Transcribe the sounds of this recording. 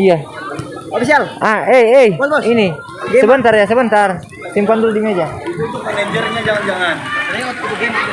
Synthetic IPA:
ija | ofisialʔaɛɛoosini | səbənt̪arjas̬əbənt̪ar | simpand̪uldimed͡ʒauit̪umaned͡ʒərɲad͡ʒaŋand͡ʒaŋannaɲat̪k̚t̪uɡim

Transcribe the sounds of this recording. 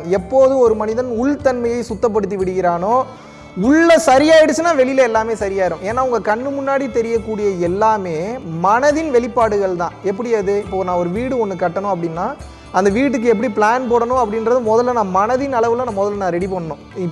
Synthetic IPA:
ɛpːoːðɯɔɾɯmɐnɪðɐnʊɭt̪ɐnmɐjɐɪsʊt̪ːɐp̬ːɐɽɯt̪ːiʋɪɽɯɣɪɾaːnoː | ʊɭːɐsɐɾɪjaːɪɽɯt͡ʃːɯnːãːʋɛɭɪlɐɛlːaːmeːsɐɾɪjaːɪɾʊ̃eːnːaːʊŋɡɐkɐɳːɯmʊnːaːɽit̪ɛɾɪjɐkːuːɽɪjɐɛlːaːmeːmɐnɐðɪnʋɛɭɪpːaːɽɯɣɐɭt̪ãːɛp̬ːɐɽɪɐðɯɪpːoːnãːɔɾɯʋiːɽɯɔnːɯkɐʈːɐnʊ̃ɐpːɐɽɪnːaː | ɐnd̪ɐʋiːʈ̬ːɯk̬ːɯɛpːɐɽipɭaːnpoːɽɐnʊ̃ɐpːɐɽɪnɾɐðɯmɔðɐlːɐnãːmɐnɐðɪnɐɭɐʋɯlɐnãːmɔðɐlːnãːɾɛɽipɐɳːɐnʊ̃ɪ

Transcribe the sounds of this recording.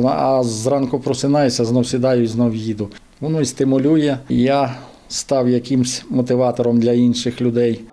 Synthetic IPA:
nɐɐzrɑnkʊpɾɔsɪnɑjɛsʲɐznɔwsʲɪd̪ɑjʊiznɔwjid̪ʊ | ʋɔnust̪ɪmʊlʲujɛja | st̪ɑwjɐkʲimsʲmɔt̪ɪʋɑt̪ɔɾɔmd̪lʲɐinʃɪxlʲʊd̪ɛj

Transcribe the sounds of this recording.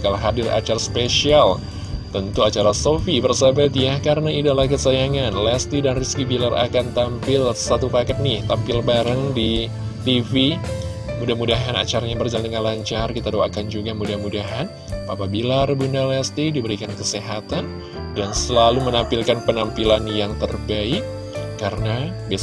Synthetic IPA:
kalaɦadɪrʔa̰t͡ʃarspesial | t̪ənt̪uat͡ʃaɾasofibərsəbɛt̪jahkaɾənaidalahkəsajaŋanlɛst̪idanriskibilara̰kant̪ampɪlsat̪upakat̪̚nɪht̪ampɪlbaɾəŋdi | t̪ifi | mudahmudaɦana̰t͡ʃaɾaɲabərd͡ʒaldəŋanlaɲt͡ʃarkit̪adoakand͡ʒuɡamudahmudaɦan | papabilarbundalɛst̪idibəɾikankəseɦat̪an | dansəlalumənampilkanpənampilanjaŋt̪ərbaɪkː | aɾənabi

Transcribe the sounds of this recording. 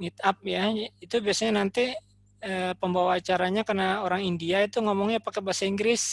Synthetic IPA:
ŋit̪̚ap̚jait̪ubiasaɲanant̪i | əpəmbawaːt͡ʃaɾaɲakərnaoɾaŋindiait̪uŋomɔŋɲapakɛbasaiŋɡɾɪs

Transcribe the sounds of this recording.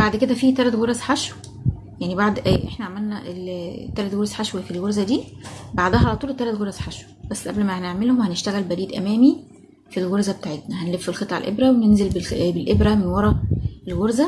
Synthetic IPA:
baʕd̪ked̪æfiːt̪ælæt̪ɣoɾˤæsħaʃw | jaʕnibaʕd̪ʔʔeħnæʕamælnæʔelt̪ælæt̪ɣoɾˤsħaʃwefilɣoɾzæd̪iːbaʕd̪æhɑʕalæt̪ˤuːlt̪ːælæt̪ɣoɾæsħaʃwæb̥æsːʔæblmæhæneʕmelhomhæneʃt̪æɣælbæɾiːd̪ʔæ̰mæːmi | filɣoɾzæbet̪aːʕet̪næhænlefːelxet̪ˤʕa̰lʔḛbɾæwenenzelbebelʔebɾæmenwɑɾˤɑelɣoɾzæ

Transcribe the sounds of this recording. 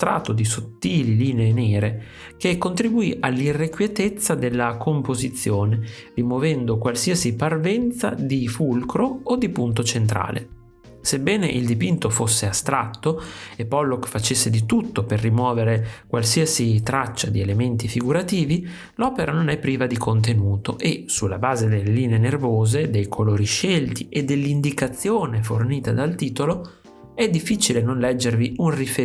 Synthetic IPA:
st̪ɾa̰ːt̪od̪isot̪ːiːliliːneːnɛːɾe | k̟ekːont̪ɾibuiʔalːirːekwjet̪et̪sːad̪elːakʰompozit̪sːjoːne | rimovɛnd̪okwalsiasiparvɛnt̪sa̰d̪ifulkɾood̪ipunt̪ot͡ʃent̪ɾa̰ːlʔḛ | sebːɛːneʔild̪ipint̪ofosːeast̪ɾat̪ːoepːɔlːokfat͡ʃesːed̪it̪ut̪ːoperːimwɔːveɾekwalsiasit̪ɾat͡ʃːad̪ielement̪ifiɡuɾat̪iːvi | lɔːpeɾanonɛpːɾiːvad̪ikʰont̪̬enuːt̪o̰ʔesulːabaːzed̪elːeliːneenervoːzed̪ejkʰoloːɾiʃelt̪iʔed̪ːelːind̪ikat̪sːjoːneforniːt̪ad̪alt̪iːt̪olo | ɛd̪ːifːit͡ʃilenonlɛd͡ʒːerviunrife

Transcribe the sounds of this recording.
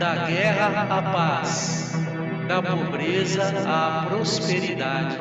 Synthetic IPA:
d̪ɐɡɛɦɐapas | d̪ɐpobɾezɐ | apɾospeɾid̪ad͡ʒɪ

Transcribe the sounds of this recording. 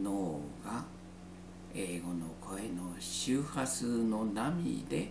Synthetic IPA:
noːɡa | e̞ːɡo̞no̞kʰo̞e̞no̞ɕɨːhat͡sɨno̞namʲḭd̪e̞̰

